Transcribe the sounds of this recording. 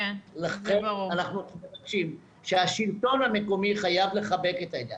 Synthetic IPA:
laenanaχnuevaɡʃim | ʃeaʃilt̪o̞nhame̞ko̞miχajavle̞χabe̞ket̪aed̪a̰

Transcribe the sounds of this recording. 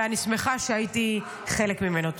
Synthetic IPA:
anismeχaʃeajit̪i | χelekmimenot

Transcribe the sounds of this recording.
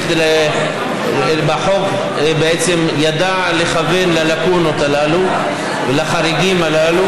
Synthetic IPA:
d̪el | baħo̞k | beet͡se̞mjad̪a | leχave̞nlalakunot̪alalu | velaχaɾiɡimalalu

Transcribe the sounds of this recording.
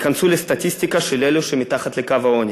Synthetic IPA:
kansulest̪at̪ʲist̪ikaʃeleluʃemit̪aχat̪lekavaonʲi

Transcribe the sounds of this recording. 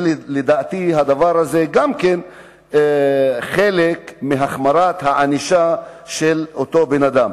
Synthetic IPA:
led̪aːt̪iɦad̪avaɾhaze̞ɡamke̞n | χelekmiɦaχmaɾat̪haʕaniʃaʃelot̪o̞benad̪am

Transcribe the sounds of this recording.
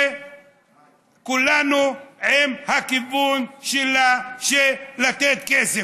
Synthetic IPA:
kulanuʕimhakivunʃelaʃelat̪et̪̚kese

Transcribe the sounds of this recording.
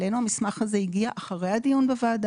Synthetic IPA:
lenuhamismaχhaze̞iɡiaʔaχaʁe̞jhad̪ijunbevaːd̪

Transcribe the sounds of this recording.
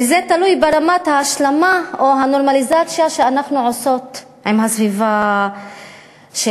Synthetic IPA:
izet̪alujbeʁamat̪haːʃlamaoɦano̞ʁmalizat͡sjaʃeanaχnuʕoso̞t̪ | imhasviva | ʃe

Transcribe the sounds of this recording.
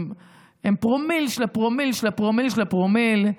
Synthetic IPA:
empʁomilʃelapʁomilʃelapʁomilʃelapʁomil

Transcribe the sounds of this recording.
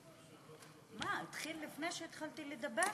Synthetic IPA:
mait̪χilːifnejʃeːt̪χalt̪iled̪abe

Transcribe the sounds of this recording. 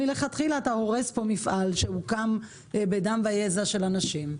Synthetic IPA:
ileχat̪χilaːt̪aho̞ʁespo̞mifʔalʃehukam | bedamvajezaʃe̞lanaʃim

